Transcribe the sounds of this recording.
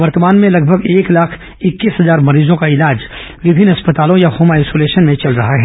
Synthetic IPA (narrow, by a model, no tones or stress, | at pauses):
ʋɐɾt̪əmaːnmẽlɐɡ̚bʱəɡeːklaːkʰ | ɪkːiːsɦɐzaːɾmɐɾiːzõkaɪlaːd͡ʒ | ʋɪbʱɪnːɐspət̪aːlõjahoːmaiɪsoːleːʃənmẽt͡ʃɐlɾɐɦaɦɛː